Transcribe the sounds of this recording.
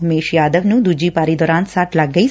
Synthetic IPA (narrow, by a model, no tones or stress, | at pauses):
meːʃjaːd̪əʋnud̪ud͡ʑiːpaːɾid̪ɔːɾãːnt̪saːʈlaːɡəj